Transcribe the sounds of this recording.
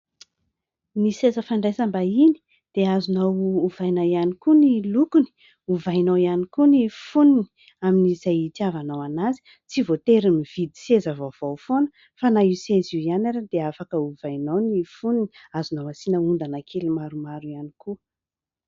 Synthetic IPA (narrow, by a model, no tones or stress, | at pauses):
nisezəfaɳɖ͡ʐajsambaini̥ | d̪̥eazunawːvajnawjanikunilukuni̥ | uvajnawianikunifunini̥ | aminizajt̪iavanawanazi̥ | t͡sivot̪eɾimiv̥id̪i̥sezəvov̥ofonə | fanaiseziianaɾad̪eafakəuvajnawnifuniniazunawasinəund̪anakʰelimaɾumaɾuianiku